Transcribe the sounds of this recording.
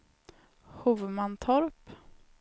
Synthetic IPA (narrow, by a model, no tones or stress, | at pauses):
huvmant̪ʰɔɾp